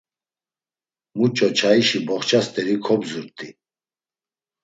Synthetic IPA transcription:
mut͡ʃʼɔt͡ʃʰaiʃibɔχt͡ʃʰast̪ʼɛɾikʰɔbzuɾt̪ʼi

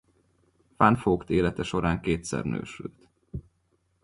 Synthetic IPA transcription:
fanfoːkt̪eːlɛt̪ɛʃo̞ɾaːŋkeːt̪sɛ̰rnø̰ːʃylt̪

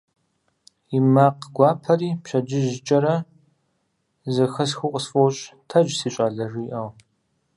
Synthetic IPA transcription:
imaqɡʷɑːpʰɐriːpʃɐd͡ʒɪʒt͡ʃʼɐɾɐ | zɐxɐsxʷʊqʷʼəsfʼowɕʼtʰɐd͡ʒsiːɕʷʼaːɮɐʐiːʔɐw

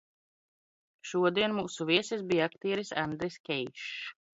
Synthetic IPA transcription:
ʃuɔd̪iɛnmuːsuvʲiɛsʲisbiːjakt̪iːɾisand̪ɾiskʲɛjʃ

